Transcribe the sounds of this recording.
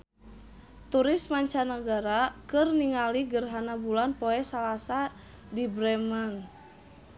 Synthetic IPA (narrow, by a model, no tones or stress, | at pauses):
t̪uɾɪsmaɲt͡ʃanəɡaɾakɨrniŋaliɡərɦanabulanpoɛsalasa | dibɾɛmən